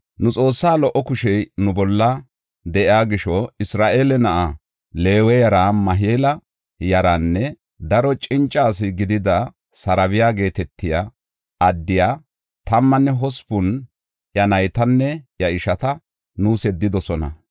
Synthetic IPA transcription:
nʊt͡sʼo̞ːsːaːlɔʔːɔkʊʃɛjnʊbɔlːɐ | d̪ɛʔɪaːɡɪʃɔɪsɾaːʔeːlɛnɐʔa | le̞ːwɛjɐɾaːmɐɦeːlɐ | jɐɾanːɛ | d̪ɐɾɔt͡ʃʼɪnt͡ʃʼːaːs̬ɪɡɪd̪ɪd̪ɐ | sɐɾɐβɪjaːɡe̞ːt̪ɛt̪ːɪja | ɐd̪ːɪjaː | t̪ɐmːɐnːɛɦɔspʊn | ʔjɐnɐjt̪ɐnːɛjɐʔɪʃɐt̪ɐ | nuːsɛd̪ːɪd̪ɔsɔnɐ̰

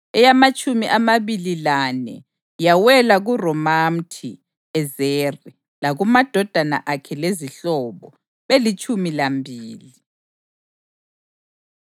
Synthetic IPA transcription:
ɛjamat͡ʃʼumiʔamaβililanɛ̰ | jawɛlaɣurɔmam̩tʰi | ɛzeːri | laɣumad̥ʱɔd̥ʱana̰ʔakʰɛleziɬɔːβɔ | βelit͡ʃʼumilambʱiːli

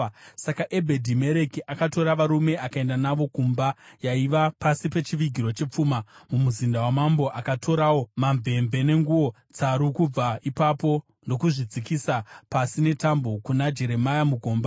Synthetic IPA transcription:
sakaʔe̞bʱe̞dʱime̞ɾe̞kiʔakato̞ɾaʋaɾume̞akae̞ndanaʋo̞kumbajaiʋapasipe̞t͡ʃiʋiɡʱiɾo̞t͡ʃe̞p͡fumamumuzindawamambo̞ʔakatʰo̞ɾawomaɱve̞ɱve̞ne̞ŋɡuo̞ | t͡saɾukub͡vaipapo̞ | ndo̞kuʐid͡zikisapasine̞tambo̞kunad͡ʒe̞ɾe̞majamuɡʱo̞ːmba

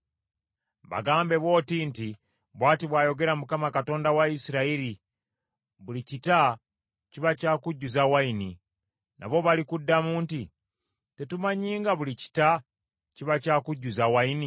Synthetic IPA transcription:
βa̰ɡaːmbe̞βwo̞ːtinti | βwaːtiβwaːjo̞ɡe̞ɾamukamakato̞ːndawaisiɾaiɾi | βulicita | cciβacaːkuɟːuzawainḭ | nʔa̰βo̞βalikudːamuːnti | te̞tumaɲiːŋɡaβulici̥ta | ciβacaːkuɟːuzawaini

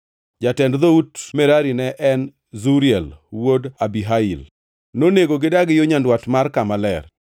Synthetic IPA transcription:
d͡ʒatɛndðoutmɛɾaɾinɛʔɛn | zuɾijɛlwodabiɦaḭl | noneɡoɡɪdaɡɪjoɲandwatmarkamalɛr

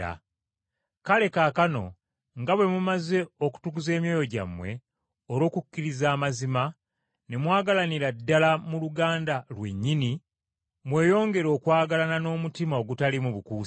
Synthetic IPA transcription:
a̰ | kale̞kaːkano̞̰ | ŋɡaβwe̞mumaze̞oku̥tukuze̞ːmjo̞ːjo̞ɟa̰mwe̞ | oɾo̞ːkucːiɾizaːmazima | ne̞mwaːɡalaniɾadːalamuluɡaːndalwe̞̰ɲːini | mwe̞ːjo̞ːŋɡe̞ɾo̞ːkwaːɡalanano̞ːmutimao̞ɡutalimuβukuː

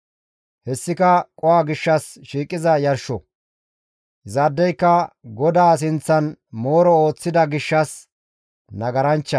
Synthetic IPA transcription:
hɛsːɪkɐkʼɔwaːɡɪʃːɐsʃiːkʼːɪzɐjɐɾʃɔ | ɪzɐd̪ːɛjkːɐɡɔd̪aːs̬ɪnt͡sːɐnmo̞ːɾɔo̞ːt͡sːɪd̪ɐɡɪʃːɐs | nɐɡɐɾɐnt͡ʃːɐ

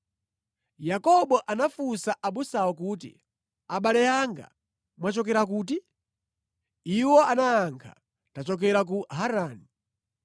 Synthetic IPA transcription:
jakɔɓɔʔanafusaʔaɓusawɔkuːt̬ḭ | aɓalɛaŋɡa̰ | mwat͡ʃɔk̬ɛɾak̬uːti | iwɔanaːŋkʰa | tat͡ʃɔk̬ɛɾak̬uɦaɾaːni

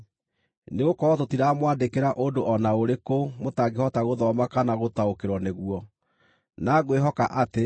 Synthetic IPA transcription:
neɣokɔɔtotiɾamwaːndekeɾaʔondoʔɔnaoɾekomotaɡehɔtaɣoðɔmakanaɣotaokeɾwɔneɣuwɔ | naɣweɦɔkaʔate

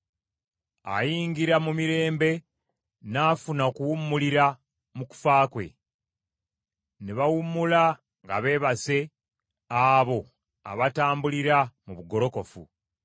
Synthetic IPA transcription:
a̰jiːŋɡiɾamumiɾe̞ːmbe̞ | naːfunaokuwumːuliɾa | muku̥faːkwe̞̰ | neβawumːula | ŋɡa̰βe̞ːβase̞ | aβo̞ | a̰βataːmbuliɾamuβuɡo̞ɾo̞ko̞fṵ

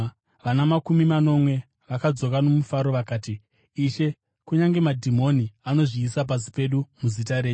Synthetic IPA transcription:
ʋanamakumimano̞mwe̞ | ʋakad͡zo̞kano̞mufaɾo̞ʋakaːtiː | ʃe̞ | kuɲaŋɡe̞madʱimo̞niano̞ʐiːsap̬as̬i̥pe̞ɗumuzitaɾe̞ːt͡ʃu

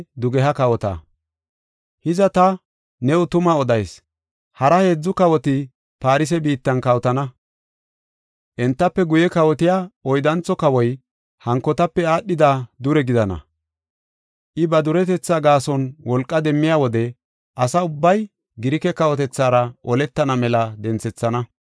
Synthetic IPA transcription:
d̪ʊɡɛɦɐkɐwɔt̪a̰ | hɪzɐt̪ɐ | nɛʊt̪ʊmɐɔd̪ɐjs | hɐɾɐhe̞ːd͡zːʊkɐwɔt̪ɪ | paːɾɪs̬ɛbiːt̪ːɐnkɐwt̪ɐnɐ | ʔɛnt̪ːɐpːɛɡʊjɛkɐwɔt̪ɪjaːɔjd̪ɐnt͡sɔkɐwɔj | hɐŋkːɔt̪ɐpːɛaːɗːɪd̪ad̪ʊɾɛɡɪd̪ɐnɐ̰ | ʔɪbɐd̪ʊɾɛt̪ɛt͡sːaːɡaːsɔnwɔlkʼːɐd̪ɛmːɪjaːwɔd̪ɛ | ʔɐsɐʊbːɐj | ɡɪɾɪkɛkɐwɔt̪ɛt͡sːaːɾɐʔɔlɛt̪ːɐnɐmɛlɐd̪ɛnt͡sɛt͡sːɐnɐ

